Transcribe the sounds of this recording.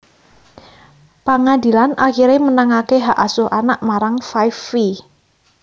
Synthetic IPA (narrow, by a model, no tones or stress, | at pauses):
pəŋadi̤lanʔaxiɾemənaŋakeɦaʔasʊhʔanaʔmaɾaŋfajfːi